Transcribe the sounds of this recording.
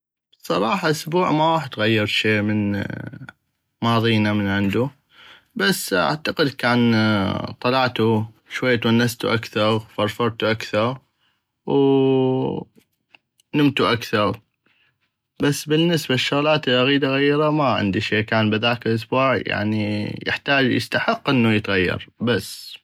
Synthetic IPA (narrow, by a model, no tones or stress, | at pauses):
sˤɑɾˤɑːħɑʔʊsbuːʕmawaːħɪd̪ɣajːɪɾˤʃeːmən | mɑːðˤiːnamənʕɪnd̪u | basːa̰ʕt̪aqɪd̪kaːnt̪ˤɑlɑʕt̪u | ʃwajːt̪wanːast̪ṵʔakθɑɾˤfɑɾˤfɑɾˤt̪uʔakθɑɾˤ | w | nɪmt̪uʔakθɑɾˤ | basːbɪnːəsbaʃːʊɣlaːt̪ɪlʔaɣiːd̪aɣajːɾˤamaʕɪ̰nd̪iʃeːkaːnbɪðaːkəlʔʊsbuːʕja̰ʕnijə̰ħt̪aːd͡ʒjɪ̰st̪aħɪqːʔɪnːujət̪ɣajːɑ̰ɾˤbasː